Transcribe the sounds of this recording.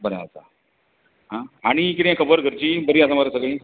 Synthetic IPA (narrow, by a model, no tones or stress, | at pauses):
bənaat͡sa̰ | ɦãaɽ̃ikit̪ẽjakʰəbəɾɡʱəɾt͡ɕiːbəɾiːasamaɾasəɡɭẽ